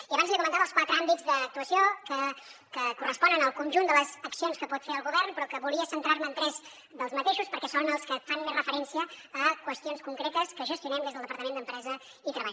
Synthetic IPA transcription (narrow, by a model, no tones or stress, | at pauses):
iəβanzlikumənt̪aβəlˠskwat̪ɾəambid͡zðəːk̚t̪uəsiokəkəkurəspɔnənəlˠkunʲʒund̪ələzəksionskəpɔt̪feəlˠɣuβɛrnpɾɔkəβulˠiəsənt̪ɾaɾməːnt̪ɾɛz | ðəlˠzmət̪eʃuspəɾkɛsonəlˠskəfanmezrəfəɾɛnsiəːkwəst̪ionskuŋkɾet̪əskəʒəst̪iunɛmd̪ezðəlˠd̪əpəɾt̪əmend̪əmpɾɛzə | it̪ɾəβaʎ